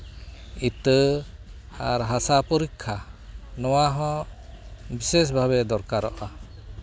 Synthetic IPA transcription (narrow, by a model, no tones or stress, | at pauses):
it̪ə | aɾɦasapɔɾikʰːanɔwaɦɔ̃ | bises̬bʱaβɛd̪ɔɾkaɾɔʔa